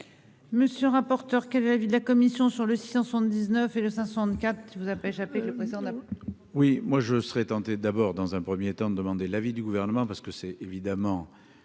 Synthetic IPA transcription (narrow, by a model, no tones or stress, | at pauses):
məsjølʁapɔʁt̪œʁkʲɛlɛlavid̪əlakɔmisjɔ̃syʁləsi̥sɛ̃səsɑ̃t̪̚d̪iznœfeləsɛ̃səsɑ̃t̪kʲat̪χivuzapaeʃapekləpχezid̪ɑ̃a | wimwaʒəsəʁɛt̪ɑ̃t̪ed̪abɔʁd̪ɑ̃zɛ̃pχəmjet̪ɑ̃d̪əd̪əmɑ̃d̪elavid̪yɡuvɛʁnəmɑ̃paʁsə̥kəsɛevid̪amɑ̃